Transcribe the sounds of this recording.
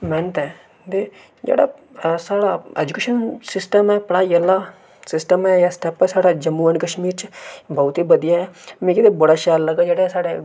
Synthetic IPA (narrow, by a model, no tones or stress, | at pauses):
mɛːnət̪ɛ̃ː | d̪e | d͡ʒḛːɽa̰ | saːɽaeːd͡ʒukeːʃənsɪsʈəmɛpɐɽajɐlːaː | sɪsʈəmɛjasʈɛːpɛsaːɽad͡ʒɐmːuənkɐʃmiːɾt͡ʃbɐut̪ibɐd̪ijaɦɛmẽkid̪ebɐɽaʃaːlːɐɡad͡ʒeːɽasaːɽe